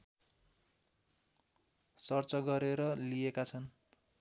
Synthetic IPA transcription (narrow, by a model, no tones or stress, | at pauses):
sʌrt͡sʌɡʌɾeɾʌlijekat͡sʰʌn